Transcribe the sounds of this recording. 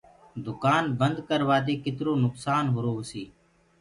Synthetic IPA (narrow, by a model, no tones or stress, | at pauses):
d̪ʊkaːnbənd̪kəɾʋaːd̪eːkɪt̪ɾoːnʊksaːnɦʊɾoːʋəsiː